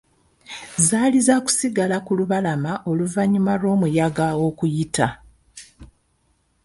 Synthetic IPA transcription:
zaːlizaku̥siɡalakuluβalamaʔo̞luvaɲumaɾo̞ːmujaɡao̞kujita

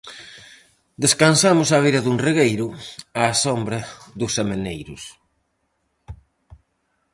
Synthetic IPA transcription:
d̪eskansamʊsaβ̞iɾɐðunriɣejɾʊaːsombɾɐðʊsemenejɾʊ̰s

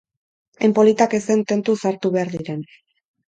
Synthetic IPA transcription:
empo̞lit̪ake̞se̞nt̪e̞nt̪usaɾt̪uβe̞aɾðiɾe̞n

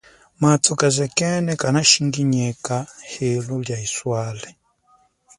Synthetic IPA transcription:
matʰukazɛkɛnɛkanaʃiŋɡiɲɛkahɛlɔljaiswalɛ

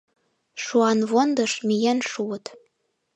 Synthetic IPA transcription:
ʃuɑnβond̪ɤ̆ʃmijænʃuət̪

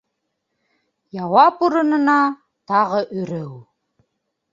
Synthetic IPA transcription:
jɑwɑpuɾɤ̆nɤ̆nɑ | t̪ɑʁɤʔɵ̆ɾɘw

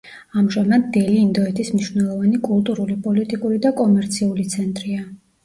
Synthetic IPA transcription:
amʒamad̪ːɛliːnd̪ɔɛt̪ʰismniʃvnɛlˠɔvanikʼulˠt̪ʼuɾulipʼɔlit̪ʼikʼuɾid̪akʼɔmɛɾt̪sʰiulit̪sʰɛnt̪ʼɾia

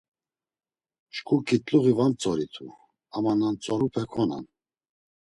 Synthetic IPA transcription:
ʃkʰʼukʼit̪ʼluʁivant͡sʼɔɾit̪ʰu | amanant͡sʼɔɾupʰɛkʰɔna̰n

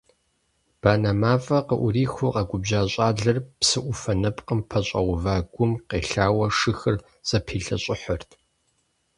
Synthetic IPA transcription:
b̥aːnɐmaːfʼɐqəʔʊɾiːxʷʊqɐɡʷʊbʑaːɕʼaːɮɐrpsɨʔʷʊfɐnɐpʼqəmpʰɐɕʼɐ̰ʁʷʊvaːɡʷʊmqeːɬaːwɐʂɨxɨr | z̥ʼɐpʰiːɬɐ̰ɕʼɪħɔrtʰ

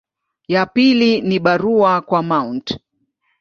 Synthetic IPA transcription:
japiliniɓaɾuakwamaunt

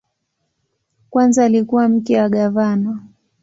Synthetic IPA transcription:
kwanzaːlikuwam̩kɛaɠavana

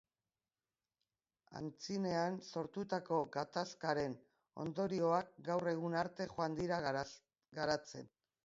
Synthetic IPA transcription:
a̰nt͡sine̞anso̞ɾt̪ut̪ako̞ɣat̪askaɾe̞n | o̞̰nd̪o̞ɾio̞ak̚ɡawre̞ɣ̞unaɾt̪e̞χoand̪iɾa | ɡaɾat͡se̞n

